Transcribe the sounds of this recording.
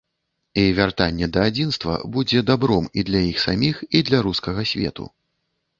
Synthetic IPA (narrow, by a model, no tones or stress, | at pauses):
ivʲart̪anʲːɛd̪ɐːd͡zʲinst̪vɐ̰bud͡zʲɛd̪abɾɔmid̪lʲɐjixsamʲixid̪lʲɐɾuskɐɣɐsʲvʲɛ̰t̪ṵ